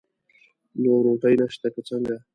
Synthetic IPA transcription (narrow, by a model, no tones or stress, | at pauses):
noɾoʈajnaʃt̪akat͡saŋɡa